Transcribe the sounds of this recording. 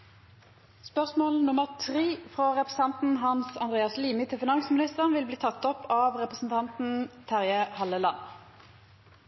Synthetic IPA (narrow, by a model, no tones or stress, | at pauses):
spœʁsmoːlnʊməʁt̪ʰʁiːfʁɑʁɛpʁəsɑnt̪n̩ɦɑnsɑnd̪ʁeːɑsliːmɪt̪ʰɪlfɪnɑŋsmɪnɪst̪əʁənʋɪlbliːt̪ʰɑt̪ːɔpʰːɑːʋʁɛpʁəsn̩t̪ʰɑnt̪n̩t̪ʰæʁjəhɑlːəlɑn